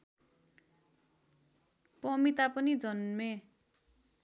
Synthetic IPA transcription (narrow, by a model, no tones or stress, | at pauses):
pʌmit̪apʌnid͡zʌnme